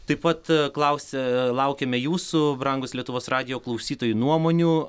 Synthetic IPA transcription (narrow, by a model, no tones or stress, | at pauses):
t̪ɐɪpɐt̪klˠɐʊsʲɛlˠɐʊkʲɛmʲɛjuːsʊbɾɐŋɡʊslʲiɛt̪ʊʋoːsrɑːd̪ʲɪjoːklˠɐʊsʲiːt̪oːjunuɔmoːnʲuː